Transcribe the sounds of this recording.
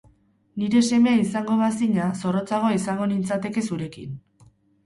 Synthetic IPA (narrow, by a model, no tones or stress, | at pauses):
niɾe̞se̞me̞ais̬aŋɡo̞βasiɲaso̞ro̞t͡saɣ̞o̞isaŋɡo̞nint͡sat̪e̞ke̞suɾe̞kḭn